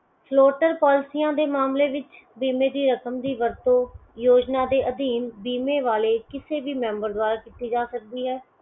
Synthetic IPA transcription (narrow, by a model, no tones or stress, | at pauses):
pʰloːʈəɾpaːlɪsiːãːd̪eːmaːmleːʋɪt͡ʃbiːmeːd̪iːɾəkəmd̪iːʋəɾt̪õːjoːd͡ʒnaːd̪eːʔəd̪iːmbiːmeːʋaːleːkɪseːʋiːmɛ̃ːmbəɾd̪ʊaːɾaːkiːt̪iːd͡ʒaːsək̚d̪iːɦɛː